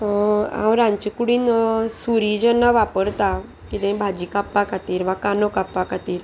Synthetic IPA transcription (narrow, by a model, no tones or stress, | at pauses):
ã̰wɾãɲt͡ɕikuɽiːnsuɾid͡ʑənːaʋapəɾt̪a | kit̪ẽbʱad͡ʑikapːakat̪iːɾʋakanokapʋakat̪iːɾ